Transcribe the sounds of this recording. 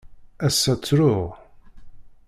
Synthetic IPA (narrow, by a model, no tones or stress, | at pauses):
æsːæt͡sːɾʊʁ